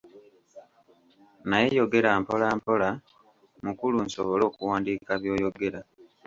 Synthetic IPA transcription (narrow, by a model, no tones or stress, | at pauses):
najejo̞ɡe̞ɾaːmpo̞laːmpo̞la | mukulunsoβo̞lo̞ːkuwaːndiːkaβjo̞ːjo̞ɡe̞ɾa